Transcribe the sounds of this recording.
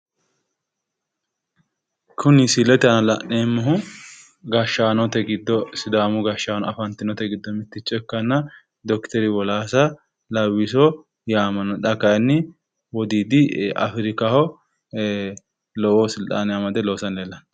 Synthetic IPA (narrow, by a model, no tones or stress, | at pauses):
kʰʊnɪsɪlɛt̪ɐnlɐneːmːɐɦʊ | ɡɐʃaːnɔt̪ɛɡɪd̪ːɔsʊd̪aːmʊɡɐʃaːnɔɐfɐnt̪ɪnɔt̪ɛɡɪd̪ːɔmɪt̪ːɪt͡ʃʼːɛkːɐnːɐ | d̪ɔkt̪ɛɾɪwɔlaːsɐ | lɐwɪsɔ | jaːmɐnɔᶑɐkɐjɐnːɪ | wɔd̪iːd̪ɪɐ̰fɾɪkɐhɔ | lɔwɔsɪlt̪ʼa̰ːnɪjamɐd̪ɛlosɐnleːlːɐn